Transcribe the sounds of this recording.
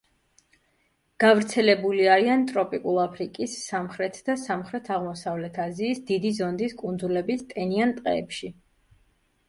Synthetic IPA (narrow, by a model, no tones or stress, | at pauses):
ɡ̥avɾt̪sʰɛlɛbuliaɾiant̪ʼɾɔpʼikʼulˠapʰɾikʼisːamχɾɛt̪ʰd̪̥asamχɾɛt̪ʰaʁmɔsavlɛt̪ʰaziːsd̪id̪izɔnd̪iskʼund̪zulɛbist̪ʼɛniant̪ʼqʼɛ̰ːpʃi